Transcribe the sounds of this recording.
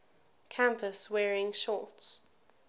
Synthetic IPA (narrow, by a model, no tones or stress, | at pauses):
kʰãmpəswɛːɹɪ̃ŋʃɔˑts